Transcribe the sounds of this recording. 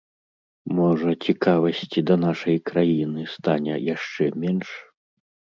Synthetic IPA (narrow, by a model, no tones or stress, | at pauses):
mɔʐɐt͡sʲikavɐsʲt͡sʲid̪ɐnaʂɐjkɾajinɨst̪anʲɛ̰jaʂt͡ʂɛmʲɛnʂ